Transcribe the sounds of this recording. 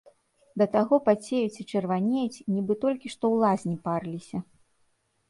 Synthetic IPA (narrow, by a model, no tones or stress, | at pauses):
d̪ɐt̪aɣɔpat͡sʲejut͡sʲit͡ʂɛrvanʲet͡sʲnʲibɨt̪ɔlʲkʲiʂt̪ɔwlˠazʲnʲiparlʲisʲɐ